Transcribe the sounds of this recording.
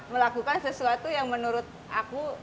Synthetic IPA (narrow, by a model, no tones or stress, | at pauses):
məlakukansəsuat̪ujaŋmənuɾʊt̪̚ʔaku